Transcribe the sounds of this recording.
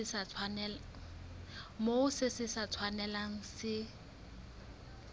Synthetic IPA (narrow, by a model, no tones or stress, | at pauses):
ɪsat͡sʰwanɛl | moʊsɪsɪsat͡sʰwanɛlaŋ̩sɪ